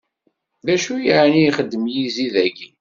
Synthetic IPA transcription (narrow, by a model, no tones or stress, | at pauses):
ðæʃujəʕnijχəd̪ːəmjiziðæɡi